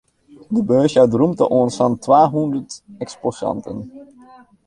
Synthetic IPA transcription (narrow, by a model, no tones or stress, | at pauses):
dəbøːsjadrumtə̰ʔɔnsfantʋaːɦɔndəɹtɛksposɑ̰ntən